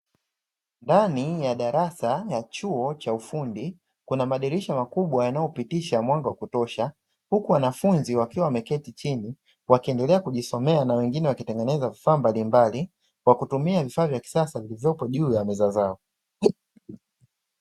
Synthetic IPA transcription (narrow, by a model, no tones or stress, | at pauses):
ndanijaɗaɾasajat͡ʃuɔt͡ʃaufundi | kunamaɗiɾiʃamakuɓwajanajɔpitiʃamwaŋɡawakutɔʃa | hukuwanafunziwakiwamɛkɛtit͡ʃini | wakiɛndɛlɛakuʄisɔmɛanawɛŋɡinɛwakitɛŋɡɛnɛzavifaːmbalimbali | kwakutumiavifaːvjaki̥sasavilivjɔpɔʄuːjamɛzazaɔ